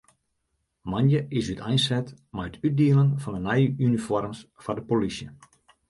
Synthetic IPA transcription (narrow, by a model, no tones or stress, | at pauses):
manjəʔɪsytajnsɛt | majətʰyt̚diələnfɔndənɛjʔynifɔrmsfɔdəpolisjə̰